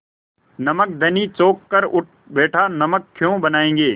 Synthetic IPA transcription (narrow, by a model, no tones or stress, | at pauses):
nɐmək̚d̪ʱɐnit͡ʃoːkːəɾʊʈ̚ | beːʈʰanɐməkʰːjõːbɐnaːẽːŋ̆ɡeː